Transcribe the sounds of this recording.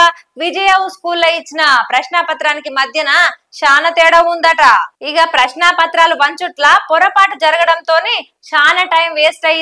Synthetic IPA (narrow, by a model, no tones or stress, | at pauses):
ʋid͡ʒɐjɐʋuskuːlːɐit͡ʃːinɐpɾɐʃnaːpɐt̪ɾaːnikimɐd̪ʱjɐnɐʃaːnɐt̪ɛːɽɐund̪ɐʈaiɡapɾɐʃnaːpɐt̪ɾaːluʋɐɲt͡ʃuʈlaːpɔɾɐpaːʈud͡ʒɐɾɐɡɐɽɐnt̪o̞ːneː | ʃaːnɐʈɐjmʋeːsʈɐj